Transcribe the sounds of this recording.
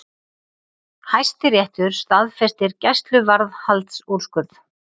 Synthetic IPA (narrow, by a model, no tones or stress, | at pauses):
hajst̪ɪɾjɛht̪ʏɾ̥st̪aðfɛst̪ɪɾcɛst̪lʏvaɾðhalt̪suɾ̥skʏð